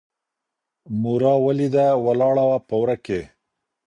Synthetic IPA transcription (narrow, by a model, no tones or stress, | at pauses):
muɾɑwalid̪awalɑɽawapəwɾake